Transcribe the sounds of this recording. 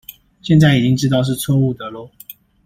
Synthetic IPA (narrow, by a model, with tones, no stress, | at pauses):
ɕjɛ˥˧nt͡sa˥˩ɪi˨˩t͡ɕi˦ŋʈ͡ʂɻ̩˥t̪ɑ˥˧ʊʂ̬ɻ̩˥˨t͡sʰwɔ˥˧u˥˩t̪ə˨˦lɔ˥˩